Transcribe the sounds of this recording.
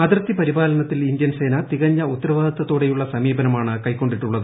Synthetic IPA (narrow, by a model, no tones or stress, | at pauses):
ɐd̪rt̪ːipɐɾibaːlɐnɐt̪ːilind̪jɐnse̞ːnɐt̪iɣɐɲːɐut̪ːɐɾɐʋaːd̪ɐt̪ːɐt̪ːoːɽe̞juɭːɐsɐmiːbɐnɐmaːɳɨkɐjko̞ɳɖiʈːuɭːɐðɨ